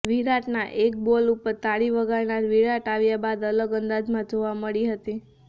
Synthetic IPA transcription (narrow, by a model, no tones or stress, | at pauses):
ʋiɾaʈnaʔek̚bolupəɾt̪aɽiʋəɡaɾnaɾʋiɾaʈaʋjabad̪ələɡənd̪ad͡ʒmãd͡ʒoʋaməɭiɦət̪i